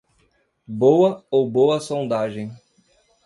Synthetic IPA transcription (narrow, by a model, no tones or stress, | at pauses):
bowɐowbowɐsõd̪aʒẽj̃